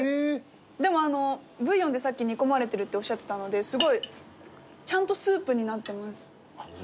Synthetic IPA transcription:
e | d̪e̞mo̞ano̞bɯ̟jːõ̞nd̪e̞sakʲːiɲ̟iko̞maɾe̞t̪e̞ɾɯ̟t̪ːe̞o̞ɕːat̪ːe̥t̪ano̞d̪e̞sɨɡo̞i | t͡ɕãnt̪o̞sɨːpɯ̟ɲ̟inat̪ːe̞masɨ̥

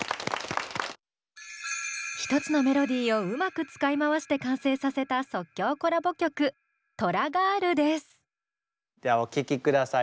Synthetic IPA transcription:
çi̥t̪o̞t͡sɨno̞me̞ɾo̞d̪ʲiːo̞ɯ̟makɯ̟t͡sɨ̥kaimaβaɕi̥t̪e̞kãɰ̃se̞ːsase̞t̪aso̞kʲːo̞ːko̞ɾabo̞kʲo̞kɯ̟ | t̪o̞ɾaɡaɾɯ̟d̪e̞sɨ̥ | deaokʲikʲikɯd̪asa

